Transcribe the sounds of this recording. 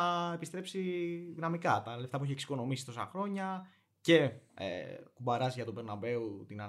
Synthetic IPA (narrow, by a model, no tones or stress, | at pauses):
ɐe̞pist̪ɾe̞psiðinɐmikɐt̪ɐle̞ft̪ɐp̬ueçieksi̥ko̞no̞misi̥t̪osɐ̰xɾo̞ɲɐ | ce̞ḛkubɐɾɐzʝɐt̪obe̞ɾnɐbe̞ut̪inɐ